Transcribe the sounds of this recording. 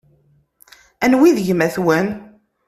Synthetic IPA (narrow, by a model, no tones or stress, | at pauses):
ænwiðʝəmæθwən